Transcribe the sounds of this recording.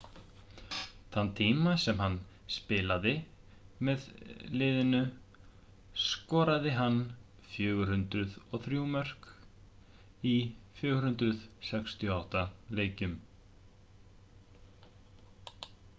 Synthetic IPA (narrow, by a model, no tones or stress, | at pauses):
θanːt̪ʰiːmasɛmɦanː | spɪːlaðɪ | mɛðlɪːðɪnʏ | skɔːɾaðɪɦanː | fjʏːɣʏɾ̥hʏnt̪ɾʏðɔθɾjumœr̥k | ifjʏːɣɾhʏnt̪ɾʏð̥sɛkst̪ʰjɔawht̪aleːjcʏm